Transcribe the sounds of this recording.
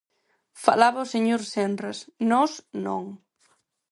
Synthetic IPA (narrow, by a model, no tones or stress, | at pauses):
falaβaoseɲoɾsɛnresnɔsno̰ŋ